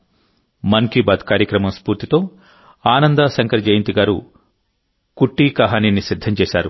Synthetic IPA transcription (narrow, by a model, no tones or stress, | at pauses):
mɐŋkibɐd̪kaːɾjɐkɾɐmɐmspuːɾt̪it̪o̞ː | aːnɐnd̪asɐŋkɐɾd͡ʒɐjɐnt̪iɡaːɾṵ | kuʈːiːkɐɦaːninisid̪ʱːɐmt͡ʃeːʃaːɾṵ